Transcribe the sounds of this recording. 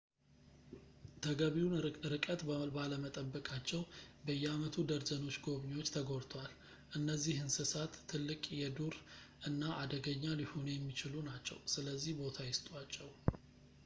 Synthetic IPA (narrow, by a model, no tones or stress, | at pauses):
t̪ʰəɡəβiunɾɨkʼət̪bəbaləmət̪ʼəbːəkʼat͡ʃːɛwbəjːɛamət̪ʰud̪əɾzəno̞t͡ʃːɡo̞βɲiwo̞t͡ʃːt̪ʰəɡo̞ɾt̪ʰwal | ʔɨnːəzːihɨnsɨsat̪ʰːɨlːɨkʼjɛd̪uɾʔɨnːaʔad̪əɡəɲːalihonjɛmːit͡ʃɪlunat͡ʃːɛ̰wsɨləzːihbo̞t̪ʰajɪst̪ʼwat͡ʃːɛw